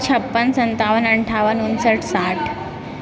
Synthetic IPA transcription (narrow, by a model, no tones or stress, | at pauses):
t͡ɕʰəpːənsənt̪aʋənəɳʈʰaʋənunsəʈʰsaʈʰ